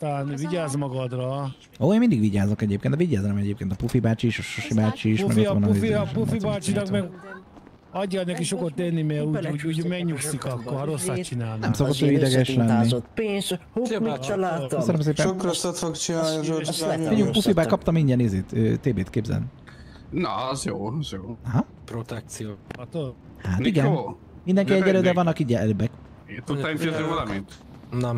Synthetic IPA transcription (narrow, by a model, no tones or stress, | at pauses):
t̪alaːnviɟaːzmɒɡɒd̪rɒ | oːeːnmind̪iɡʋiɟaːzokɛɟeːpkeːnɛviɟaːzɛmɛɟeːp̚keːnt̪ɒpufibaːt͡ʃiːʃoʃʃoʃibaːt͡ʃiːʃmɛ̰ɡoʋɒnuifiɒpufibaːt͡ʃinɒkmɛɡ | ɒɟːanɛkiʃokot̪ːenːimɛuːuːɟuːɟmɛɡɲuksikɒkːoɾosːatt͡ʃinaːlnnɛmsokot̪ːøːid̪ɛɡɛʃlɛnːi | minak̪øsønøms̬eːpɛʃokɾosɔt̪fokt͡ʃinaːnizoijukpufibaːkɒp̚t̪ɒmiɲɟɛnezeːt̪ø̰t̪eːbeːt̪̚keːbzɛ̰l̰ni | nɔ̰ɛzjoːɔzjoːɦɐ | pɾot̪ɛk̚t̪sioːɒt̪o | hat̪iɡɛnː | mind̪ɛŋkiɛɟɛløːd̪ɛvɒnːɒkiɟɛløbɛk | t̪ut̪ːaimizøvɒlɒmint̪ | nɛ